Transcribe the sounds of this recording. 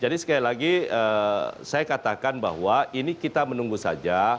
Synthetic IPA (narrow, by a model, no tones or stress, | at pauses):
d͡ʒadisə̥kailaɡiəsajakat̪akanba̰ɦwainikit̪amənuŋɡusa̰d͡ʒa